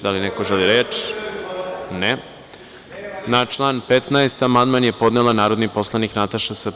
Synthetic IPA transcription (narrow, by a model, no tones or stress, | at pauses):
d̪alinekoʒeliɾeːt͡ʂ | ne | nat͡ʃlˠaːnpet̪naest̪amand̪manje̞po̞d̪nelˠanaːɾo̞d̪nipo̞slˠaniknat̪aʃasə